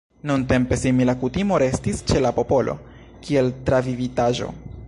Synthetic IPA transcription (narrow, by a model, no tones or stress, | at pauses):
nunte̞mpe̞similakutimo̞ɾe̞stist͡ʃe̞lapo̞po̞lʔo̞̰ | kʰie̞ltɾavivitaʒo̞̰